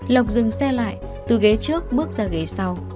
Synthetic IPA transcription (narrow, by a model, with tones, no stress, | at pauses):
lə˨˩wk͡p̚zɨ˨˩ŋsɛ˧la̰ː˧˨jʔ | t̪ɨ˨˩ɣe˨˦t͡ɕɨ˦˥ək̚ɓɨ˦˥ək̚zaː˨˩ɣə˨˩jsa˧w